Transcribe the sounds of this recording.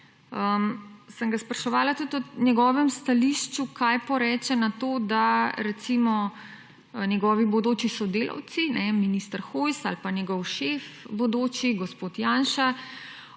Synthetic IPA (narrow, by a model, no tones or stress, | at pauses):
əmsəŋɡaspɾaʃɔʋaːlat̪ut̪ɔnjɛɡɔːʋɛmst̪aliʃt͡ʃukajpɔɾɛːt͡ʃɛnat̪oːd̪aɾɛt̪simɔ | nʲjɛɡɔːʋibɔd̪oːt͡ʃisɔd̪eːlɐ̰wt̪sinɛminist̪əɾxojsalpanjɛɡɔwʃefbɔd̪oːt͡ʃiɡɔspoːt̪jaːnʃa